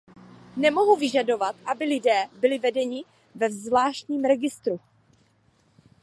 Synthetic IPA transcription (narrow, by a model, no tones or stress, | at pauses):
nɛmoɦuvɪʒado̞vat̪ʔabɪlɪdɛːbɪlɪvɛdɛɲɪ | vɛvzvlaːʃt̪ɲiːmɾɛɡɪst̪ɾu